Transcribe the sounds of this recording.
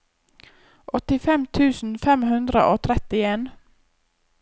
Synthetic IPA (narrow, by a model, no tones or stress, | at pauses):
ʔɔt̪ɪfɛmt̪ʰʉːsn̩fɛmhʉnd̪ɾə̰ʔoːt̪ʰɾɛt̪ɪeːn